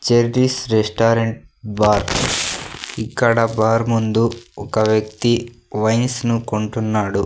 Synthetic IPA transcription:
t͡ʃeɾɾisɾesʈaːɾeɳʈ̚baːɾ | ikːɐɽɐbaːɾmund̪uɔkɐʋjɐk̚t̪i | ʋɐjnsnukoɳʈunːaːɽu

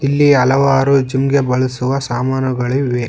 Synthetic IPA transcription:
ilːiɐlɐʋaːɾud͡ʒimɡe̞bɐɭisuʋɐsaːmaːnɐɡɐɭiʋe

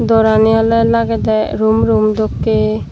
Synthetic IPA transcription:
d̪ɔɾanijalɔjlaɡɛd̪ajɾumɾumd̪okːe

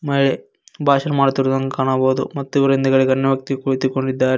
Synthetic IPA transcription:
mɐiɭe | bʱaːʃɐnɐmaːɽt̪iɾud̪ɐŋɡɐkaːɳaboːd̪umɐt̪ːuiʋɐɾɐind̪ɐɡɐɭiɡɐnːɐʋjɐk̚t̪iɡekuɭt̪ikoɳɖid̪ːaːɾe

